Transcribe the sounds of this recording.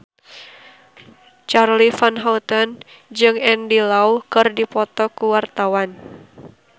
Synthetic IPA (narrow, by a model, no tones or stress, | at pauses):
t͡ʃarlifanɦaut̪ən | d͡ʒɨŋɛndilaukɨrdipɔt̪ɔkuwart̪awan